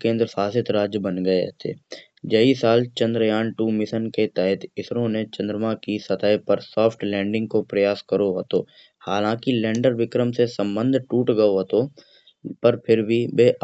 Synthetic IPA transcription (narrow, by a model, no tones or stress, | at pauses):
kẽːnd̪ɾəsaːsɪt̪ɾaːd͡ʒjəbənɡəeɦt̪ʰḛː | d͡ʒəisaːlt͡ʃə̃nd̪ɾəjaːɳʈuːmɪsənket̪ɛɦət̪ɪsɾõnet͡ʃɐ̃nd̪ɾəmakisɐt̪aːjpəɾsɔːpʰʈlɛ̃ːɳɖɪ̃ŋɡ̚kopɾɐjaːskəɾoɦot̪oː | haːlãːkilɛ̃ːɳɖəɾʋɪkɾəmsesə̃mbə̃nd̪ʱʈuːʈɡəoɦot̪o | pɐɾpʰɪɾbʱibeː